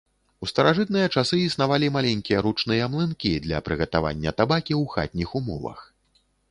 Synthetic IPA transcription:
ust̪ɐɾaʐɨt̪̚nɨjɐt͡ʂasɨisn̪avalʲimalʲɛnʲkʲijɐɾut͡ʂnɨjɐmlˠɨnkʲid̪lʲɐ̰pɾɨɣɐt̪ava̰nʲːɐt̪abakʲiwxa̰t̪̚ʲnʲixumɔ̰vɐ̰x

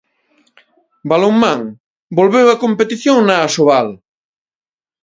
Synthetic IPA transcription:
baloŋmãŋ | bolβewɐkompet̪iθjoŋnaːsoβal

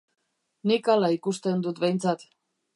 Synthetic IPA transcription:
nikalaikust̪end̪ut̪βejnt͡sat̪

